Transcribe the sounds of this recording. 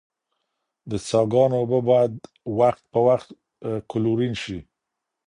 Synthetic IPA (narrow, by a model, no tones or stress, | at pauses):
d̪ət͡sɑɡɑnobabɑjad̪ | waxt̪̚pəwaxt̪ | kʊluɾinʃi